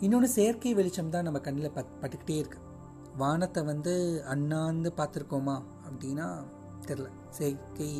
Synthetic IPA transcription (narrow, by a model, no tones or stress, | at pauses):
ɪnːonɯseːɾkɐɪʋɛɭɪt͡ʃːɐmt̪ãːnɐmːɐkɐɳːɪlɐpɐpɐʈːɯkːɪ̥ʈːeːɪɾɯkːɯ̥ | ʋaːnɐt̪ːɐʋɐnd̪ɯɐnːaːnd̪ɯpaːɾt̪ɯɾɯkːoːmaː | ɐpːɐɽɪjnːaː | t̪ɪɾɯlɐ̃ | seːkɐɪ